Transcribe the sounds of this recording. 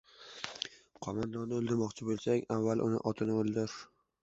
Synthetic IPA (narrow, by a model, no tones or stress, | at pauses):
qʰɒmand̪ɒnɪolˠd̪ɪɾmɒqt͡ʃʰɪbolˠsakʲavːalˠʔʊ̰nɪ̰ʔɒt̪ʰɪnɪolˠd̪ɪɾ